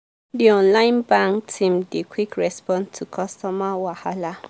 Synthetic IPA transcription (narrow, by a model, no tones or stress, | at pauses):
diɔ̃nlaɪ̃nbãŋktʰĩmdekʰʷwikɹɛspɔ̃ntʰukʰɔstɔmawahala